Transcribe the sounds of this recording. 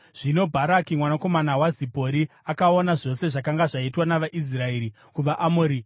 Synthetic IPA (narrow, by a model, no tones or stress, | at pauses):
ʐ̥ino̞bʱaɾakimwanako̞manawazipo̞ɾi | akaonaʐo̞se̞ʐakaŋɡaʐaitwanaʋaʔis̬rae̞ːɾi | kuʋaʔamoːɾi